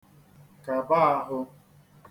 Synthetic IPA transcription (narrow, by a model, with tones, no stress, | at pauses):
ka˨ba˦a˦ɦʊ˧